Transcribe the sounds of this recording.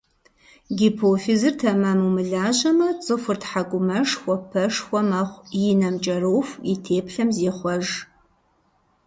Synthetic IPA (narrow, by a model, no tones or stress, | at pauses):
ɡʲipʰoːfizɨrtʰɐmɐmumɨɮaːʑɐmɐt͡sʼɨfʷʊrtħakʷʼʊmɐʂxʷɔpʰɐʂxʷɔmɐχʷjɪnɐmt͡ʃʼɐɾowfʷitʰeːpʰɬɐmzeːχʷɔʒ